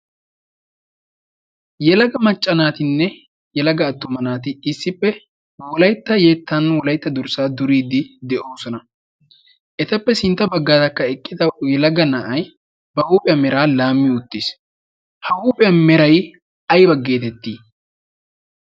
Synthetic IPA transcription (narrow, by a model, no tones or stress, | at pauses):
jɛlɐɡɐmɐt͡ʃʼːɐnaːt̪ɪnːɛ | jɛlɐɡɐːt̪ːʊmɐnaːt̪ɪɪsːɪpːɛ | wɔlɐjt̪ːɐje̞ːt̪ːɐnwɔlɐjt̪ːɐd̪ʊɾsaːd̪ʊɾiːd̪ɪd̪ɛʔoːsɔnɐ | ʔɛt̪ɐpːɛsɪnt̪ːɐbɐɡːaːt̪ɐkːɐɛkʼːɪd̪ɐjɛlɐɡɐnɐʔɐj | bɐʔuːpʼɛjɐmɛɾaːlaːmːɪʊt̪ːiːs | hɐuːpʼɛjɐmɛɾɐj | ɐjbɐɡːe̞ːt̪ɛt̪ːiː